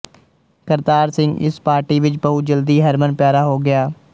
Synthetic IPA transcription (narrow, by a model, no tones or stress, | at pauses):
kəɾt̪aːɾsɪ̃ŋɡɪ̰spaːɾʈiːʋɪt͡ʃbəɦʊd͡ʒəld̪iːɦəɾmənpjaːɾaːɦoːɡɪjaː